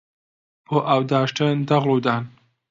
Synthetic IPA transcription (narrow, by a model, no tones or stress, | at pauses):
b̥oːʔawd̪aːʃʈənd̪ɐɣluːd̪aːn